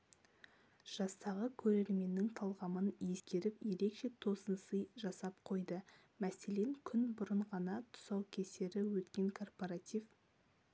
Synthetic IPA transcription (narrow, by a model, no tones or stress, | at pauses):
ʒ̥ɑst̪ɑʁəkʲʰɵɾe̞ɾme̞nːɪŋt̪ʰɑlˠʁɑmənje̞skʲe̞ɾɪpje̞ɾe̞kʃe̞t̪ʰo̞sənsəjʒɑsɑp̚qʰo̞jd̪ə | mæse̞le̞ŋkʲʰʏnbʊɾəɴʁɑnɑt̪ʰʊ̥sɑwkʲʰe̞se̞ɾɪwɵt̪kʲe̞ŋkʰo̞rpoɾat̪ʲiv